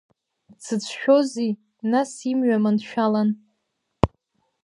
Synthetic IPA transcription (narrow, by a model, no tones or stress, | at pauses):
t͡sʰɨt͡sʷʰʃᶣozi | nasimɥamanʃᶣalan